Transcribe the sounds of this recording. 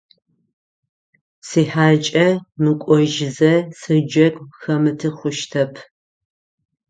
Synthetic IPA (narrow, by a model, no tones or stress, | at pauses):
siːħaːt͡ʃʼɐmɨkʷʼɔʒɪzɐsɨd͡ʒɐkʷʼxɐmɨtʰɨχʷʊʃtʰɐpʰ